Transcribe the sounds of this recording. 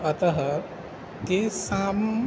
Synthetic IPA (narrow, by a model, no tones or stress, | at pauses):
ɐt̪ɐɦɐ | kesaːm